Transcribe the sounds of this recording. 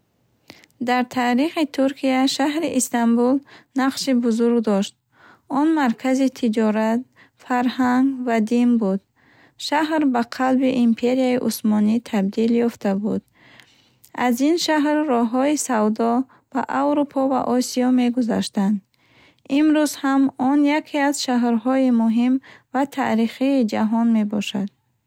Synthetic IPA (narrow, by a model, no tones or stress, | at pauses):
d̪aɾt̪ʰaːɾiχit̪ʰuɾkʰiaʃaɦɾiʔist̪ambulnaqʃibuzuɾɡd̪ɔʃt̪̚ | ɔnmaɾkʰazit̪ʰid͡ʒɔɾat̪̚ | faɾhaŋɡvad̪inbud̪̥ | ʃaɦɾbaqʰalbiʔimpʰe̞ɾiaiʔusmɔnit̪ʰabd̪iljɔft̪ʰabud̪ | azinʃaɦɾːɔɦɔisawd̪ɔ | b̥aʔawɾupʰɔva̰ʔɔsiɔme̞ɡuza̰ʃt̪and̪ | imɾuzhamɔnjakʰeaz̥ʃaɦɾɦɔimuɦimvat̪ʰa̰ʔɾiχiːd͡ʒaɦɔnme̞bɔʃad̪̥̚